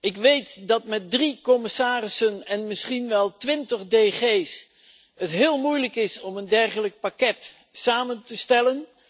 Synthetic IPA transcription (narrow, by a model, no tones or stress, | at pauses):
ɪkʋejtdɑtmɛt̚drikɔmɪsaːrɪsənɛnmɪsχinʋɛlˠtʋɪntəχdeχejs | ɦətɦɪːlˠmujləkɪsɔməndɛrχələk̚pakɛt | saːməntəstɛlən